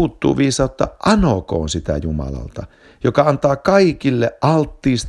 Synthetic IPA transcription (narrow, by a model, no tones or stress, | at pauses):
uːt̪ːṵːʋiːsɑˑot̪ːɑ̰ʔʔɑnoko̰ːnsit̪æ̰jumɑ̰lɑ̰lt̪ɑ | jokɑɑnt̪ɑːkɑikilːeʔʔɑlt̪ːiːst̪